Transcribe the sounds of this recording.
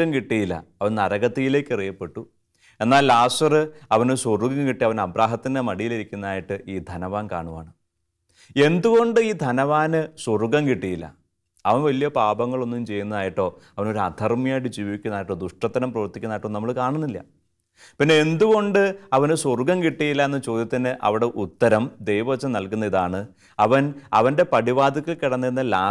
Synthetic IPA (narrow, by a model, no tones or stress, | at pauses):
ɐmkiʈːijilːɐ̰ɐʋɐnnɐɾɐɣɐt̪ːijile̞ːkːɨrijɐpːe̞ʈːu | e̞nːaːlːaːsɐrɨɐʋɐnɨsoruɡɐŋkiʈːiɐʋɐnɐbɾaːɦɐt̪ːindemɐɽijiliɾikʲːunːɐaːjiʈːɨʔiːd̪ʱɐnɐʋaːnka̰ːɳuʋa̰ːɳɨ | e̞nd̪uɣo̞ɳɖɨiːd̪ʱɐnɐʋaːnɨsoruɡɐŋkiʈːijilːɐ̰ | ɐʋɐnʋɐlijɐpaːbɐŋːɐɭo̞nːumt͡ɕe̞jːunːɐðaːjiʈːo̞ː | ɐʋɐno̞ɾuɐd̪ʱɐrmijaːjʈ̬ːɨd͡ʑiːʋikʲːunːaːjiʈːo̞ːd̪uʂʈɐt̪ːɐɾɐmprɐʋɐrt̪ːikʲːunːaːjiʈːoːnɐmːɐɭkaːɳunːilːɐ̰ | pinːe̞end̪uɣo̞ɳɖɨɐʋɐnɨsorɡɐmkiʈːijilːɐenːɐt͡ɕo̞ːd̪jɐt̪ːinːɨʔɐ̰ʋiɽe̞ʔut̪ːɐɾɐmd̪e̞jʋɐɐt͡ɕːɐmnɐlkunːɐiðaːɳɨ | ɐʋɐnɐ̰ʋɐnde̞pɐɽiʋaːd̪ʱɐkːilkiɽɐnːiɾunːɐlaː